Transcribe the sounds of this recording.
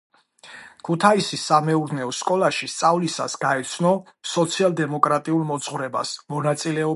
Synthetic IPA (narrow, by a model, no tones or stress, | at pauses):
kʰut̪ʰaisisamɛuɾnɛɔskʼɔlˠaʃist̪sʼavlisa̰sɡaɛt̪sʰnɔ | sɔt̪sʰialˠd̪ɛmɔkʼɾat̪ʼiulˠmɔt̪sʼχvɾɛba̰smɔnat̪sʼilɛɔ